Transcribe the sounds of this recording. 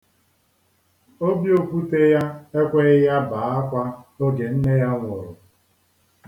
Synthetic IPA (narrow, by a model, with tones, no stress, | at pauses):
o˦bjo˨pu˦te˦ja˦e˦kʷe˦ɪ˦ja˦baː˨˦a˦kʷa˦o˦ɡe˨n̩˦ne˦ja˦ŋʷʊ˨ɾʊ˨